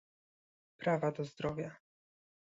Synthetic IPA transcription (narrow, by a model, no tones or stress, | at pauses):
pɾavad̪ɔzd̪ɾɔvʲja